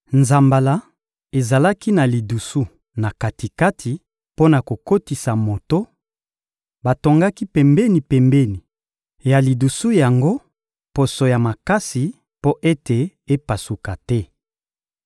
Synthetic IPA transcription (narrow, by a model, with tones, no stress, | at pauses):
nza˨mba˨la˨˦ | e˨za˨la˦ki˦na˨li˨du˨su˦ | na˨ka˨ti˨ka˦tʰi˨ | po˦na˨ko˨ko˦ti˨sa˨mo˨to˦ | ba˨to˨ŋɡa˦ki˦pɛ˨mbɛ˦ni˨pɛ˨mbɛ˦ni˨ | ja˨li˨du˨su˦ja˨ŋɡo˦ | po˨so˨ja˨ma˨ka˦si˨ | po˦ʔe˦te˨ | e˦pa˨su˨ka˨tɛ˦